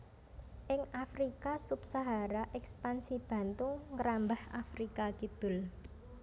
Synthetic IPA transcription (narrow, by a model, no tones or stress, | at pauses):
ʔɪŋafɾikasub̥saɦaɾaʔɛkspansib̥ä̤nt̪ʊŋŋəɾambahafɾikakid̪̥ʊ̤l